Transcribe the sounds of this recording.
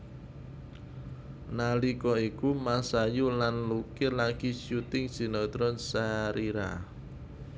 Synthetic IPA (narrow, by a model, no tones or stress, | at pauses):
nalikɔikumasajulanlukɪlaɡ̥iʃut̪ɪŋsi̤nɔt̪ɾɔnsaɾiɾa̰